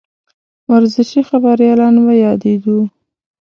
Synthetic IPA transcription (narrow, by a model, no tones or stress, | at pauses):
waɾzɪʃixabaɾjɑlɑnbajɑd̪eɡ̪u